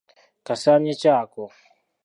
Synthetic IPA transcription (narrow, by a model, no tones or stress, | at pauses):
kasaɲit͡ʃaːkɔ